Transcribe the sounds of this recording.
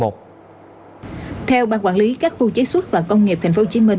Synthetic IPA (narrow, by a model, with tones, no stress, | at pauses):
o˨˩t̚ | t̪ʰɛ˧wɓaː˧ŋkwaː˧˩nli˨˦kaː˦˥k̚xu˧t͡ɕe˨˦swə˦˥t̚vaː˨˩kə˧wŋ͡mŋi˨˩p̪̚ʰa˨˩ŋ̟fo˨˦t͡ɕi˨˦mï˧˩n